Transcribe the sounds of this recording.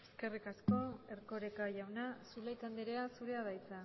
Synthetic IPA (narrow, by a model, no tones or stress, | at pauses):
e̞ske̞rikasko̞e̞ɾko̞ɾekaʝawnasulajt͡sand̪iɾeasuɾe̞aðajt͡sa